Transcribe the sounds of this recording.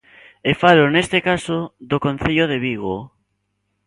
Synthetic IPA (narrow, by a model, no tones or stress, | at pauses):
efalonest̪ekasoðokõn̟θeʎoðeβiɣo